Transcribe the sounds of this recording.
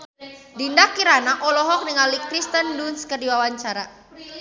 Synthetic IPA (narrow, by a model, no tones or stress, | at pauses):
dindakːiɾanaʔɔlɔɦɔk̚niŋalikɾist̪əndunskərdiwawaɲt͡ʃaɾa